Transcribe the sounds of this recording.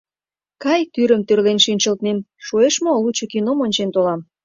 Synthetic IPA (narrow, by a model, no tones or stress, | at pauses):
kɑjt̪yɾəmt̪ørlenʃinʲt͡ɕə̆lt̪nem | ʃoeʃmolut͡ɕokinomonʲt͡ɕent̪olɑm